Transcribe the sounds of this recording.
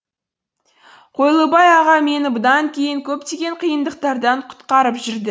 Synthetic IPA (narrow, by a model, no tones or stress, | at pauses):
qʰo̞jlˠəbɑjɑʁɑme̞nɪbʊd̪ɑŋkʲʰe̞jɪŋkʲʰɵp̚t̪e̞ɡʲe̞ɴqʰijənd̪əq̚t̪ɑɾd̪ɑɴqʰʊ̥t̪qɑɾəpʒʏɾd̪ɪ